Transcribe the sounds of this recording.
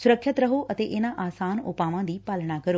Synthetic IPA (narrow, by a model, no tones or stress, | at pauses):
sʊɾəkʰːət̪ɾɐɦoʔɐt̪eːʔenãʔaːsaːnʊpaːʋãd̪iːpaːlɽ̃akɐɾoː